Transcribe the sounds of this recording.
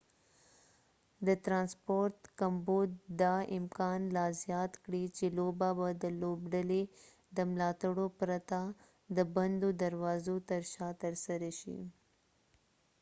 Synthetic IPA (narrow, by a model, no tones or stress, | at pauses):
d̪əʈ̪ɾɑnspoɾt̪kambod̪d̪ɑɪmkɑnlɑzjɑt̪kɽit͡ʃelobabad̪əlobɖale | d̪əmlɑt̪aɽopɾat̪a | d̪əband̪od̪aɾwɑzot̪əɾʃɑt̪əɾsaɾaʃḭ